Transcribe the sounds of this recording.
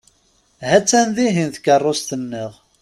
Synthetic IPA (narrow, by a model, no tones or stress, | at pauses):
hæt͡sːænðiɦinθə̥kːərˤːost̪ənːəʁ